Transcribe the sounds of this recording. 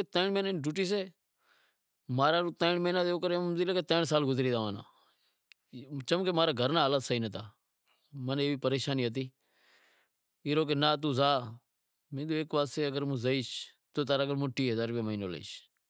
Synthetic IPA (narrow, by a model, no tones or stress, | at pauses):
t̪əːɳmeːnenɖuːʈiːs̬eː | maːɾaːt̪əːɳmeːnãːd̪oːkəɾemd̪iːleːkeːt̪ə̃ːɳsaːlɡʊzɾiːd̪aːʋaːna̰ː | t͡ʃəmkeːmaːɾaːɡʱəɾnaːɦaːlat̪səiːnət̪aː | məneːʋiːpəɾeːʃaːniːət̪̬iː | iːɾoːk̬enaːt̪̬uːzaː | mẽːd̪oːeːkʋaːseːəɡəɾmũːzəiːʃ | t̪oːt̪aːɾaːɡəɾmũːʈiːɦəzaːɾʋiːməiːno̰ːlə̰ḭːʃ